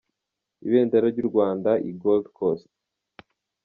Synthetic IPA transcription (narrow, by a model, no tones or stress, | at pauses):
iβeːndaɾaɾɟuɾɡwaːndaʔiɡoldkʰost̚